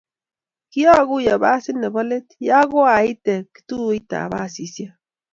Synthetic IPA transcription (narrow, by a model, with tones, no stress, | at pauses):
ki˦a˦ɣu˦ja˨ba˦si˦ne˨ba˦le˦t̪ja˦ɡo˦a˨i˦t̪e˨ki̥t̪u˦i˦t̪a̰˨βa˦si˨sja˦